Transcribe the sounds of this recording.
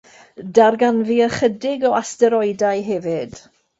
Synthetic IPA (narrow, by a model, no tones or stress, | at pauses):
darɡanviːəχədɪɡɔastɛɾɔɨdaɨɦɛvɪd̥